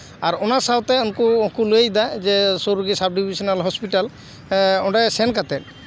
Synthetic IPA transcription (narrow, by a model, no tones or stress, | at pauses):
aɾɔnasawt̪ɛɔnkukuluejd̪ad͡ʒɛsoɾuɡisab̚ɖibisɔnalɦɔspiʈal | ɔɖasɛnkat̪ɛ